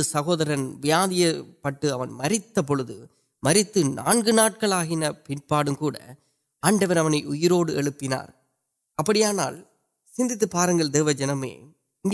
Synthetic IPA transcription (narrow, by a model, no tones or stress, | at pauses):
ɯsɐɣoːðɐɾɐnʋɪjaːðɪjɐpːɐʈːɯɐʋɐnmɐrɪt̪ːɐp̬ːɔɻɯðɯ | mɐɾɪt̪ːɯnʔa̰ːnɡɯnaːʈ̚kɐɭaːɣɪnɐpɪnpaːɽɯmkuːɽɐ̰ | aːɳɖɐʋɐɾɐʋɐnɐɪʔʊjɪɾoːɽɯɛɭɯpːɪna̰ːɾ | ɐpːɐɽɪjaːna̰ːl | sɪnd̪ɪt̪̬ːɯpaːɾɐŋɡɐɭd̪eːʋɐd͡ʒɐnɐmḛː | ɪŋɡ